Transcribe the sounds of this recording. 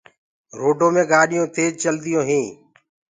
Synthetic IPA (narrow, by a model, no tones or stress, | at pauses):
ɾoːɖʱõːmẽːɡaːɗɪjõːt̪ʰeːd͡ʒt͡ʃəld̪ɪjõːɦĩː